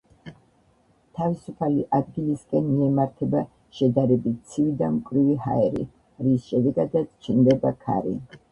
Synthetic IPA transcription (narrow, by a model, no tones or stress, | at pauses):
t̪ʰavisupʰaliʔapʰiliskʼɛnmiɛmaɾt̪ʰɛba | ʃɛd̪aɾɛbit̪̚t̪sʰivid̪amkʼvɾivihaɛɾḭ | ɾisʃɛd̪ɛɡad̪at̪st͡ʃʰnd̪ɛbakʰa̰ɾḭ